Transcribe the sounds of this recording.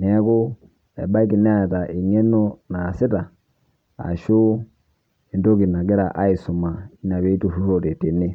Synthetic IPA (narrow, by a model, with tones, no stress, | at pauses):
nɛ˨˦ku˦ | ɛ˨ɓa˦i˦ki˨nɛ˦a˦ɛ˨ta˨ʔi˨ŋɛ˦no˦na˨si˦ta˨ | a̰˨ʃu˦ | ɛ˨ndo˦ki˨na˨ɡɛ˦ɾa˨ʔa˦i˨su˨ma˨i˦na˨βɛ˨˦i˦tu˨fu˦ɾo˦˨te˨te˨ne˦